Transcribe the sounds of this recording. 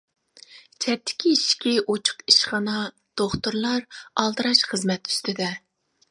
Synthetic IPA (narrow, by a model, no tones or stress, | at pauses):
t͡ʃʰɛt̪ʰːɪ̥kʲʰiiʃkʲiʔot͡ʃʰʊ̥qiʃχɑnɑ | d̪̥oχt̪uɾlˠɑɾɑlˠd̪ɨɾɑʃχəzmɛt̪y̥st̪ʰɪd̪ɛ